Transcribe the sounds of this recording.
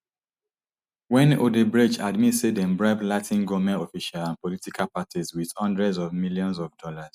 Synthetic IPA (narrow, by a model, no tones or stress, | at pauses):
wɛ̃nodebɹid͡ʒadmitsedɛ̃mbɹaɪblatʰĩnɡɔmɛ̃ntɔfiʃalãnpɔlitikʰalpatʰizwið̥hɔ̃ndɹɛdzɔvmiljɔ̃nsɔvdɔlaz̥